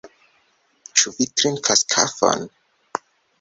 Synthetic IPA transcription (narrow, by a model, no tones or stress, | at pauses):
t͡ʃuvik̚tɾinkʰaskʰa̰fa̰n